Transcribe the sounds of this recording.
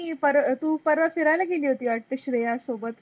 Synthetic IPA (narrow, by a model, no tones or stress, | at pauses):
ipəɾt̪ũːpəɾʋəfiɾalaɡeliːɦot̪iːaʈ̚t̪əɕɾəjasobət̪